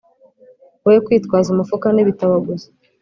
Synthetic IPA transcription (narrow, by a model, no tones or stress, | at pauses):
ojekwiːtkwaːzumafukaneβitaβaɡuzi̥